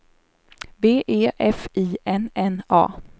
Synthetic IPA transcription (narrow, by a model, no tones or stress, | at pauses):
beːʔeːʔɛfiːɛnɛnɑ̰ː